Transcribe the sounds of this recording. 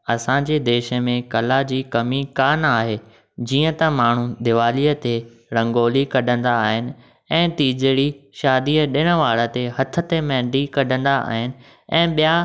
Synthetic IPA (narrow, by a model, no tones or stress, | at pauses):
ɐsãːɲd͡ʑeːd̪eːʃə̆mẽkɐlad͡ʑiːkɐmikaːnaːɦeː | d͡ʑiːə̃t̪ɐmaːɳ̤ud̪ɪʋaːliːət̪e | ɾɐ̃ŋɡoːlikɐɗʱə̃nd̪aːɦɪnɪ̆ | ɛ̃ːt̪iːd͡ʑəɽiʃaːd̪iːəɗɪɽ̃ə̆ʋaːɽət̪eɦɐt̪ʰə̆t̪emɛ̃ːɳɖikɐɗʱə̃nd̪aʔa̰ːɦɪnɪ̆ | ɛ̃ːɓija